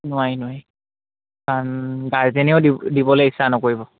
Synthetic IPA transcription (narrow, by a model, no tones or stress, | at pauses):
nʊwajnʊwaj | kanɡaɹzenɛoʊdidibɔlejisːanɔkoɹibɔ